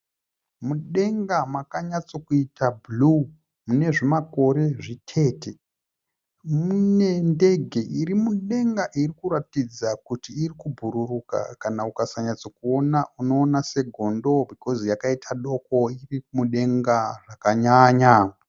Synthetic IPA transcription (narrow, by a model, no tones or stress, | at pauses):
muɗe̞ŋɡamakaɲat͡so̞kuitabʱlu | mune̞ʐimako̞ɾe̞ʐitʰe̞ːte | mune̞nde̞ɡʱe̞ʔirimuɗe̞ŋɡaʔirikuɾatid͡zakutiːrikubʱuɾuruka̰kanaukasaɲat͡sokuo̞naʔuno̞ːnase̞ɡʱo̞ndo̞bʱiko̞zijakaitʰaɗo̞koirimuɗe̞ŋɡaʐakaɲaːɲa